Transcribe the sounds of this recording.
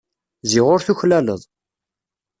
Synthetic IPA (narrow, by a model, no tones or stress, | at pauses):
zɪʁʊɾθuçlælə̰ðˤ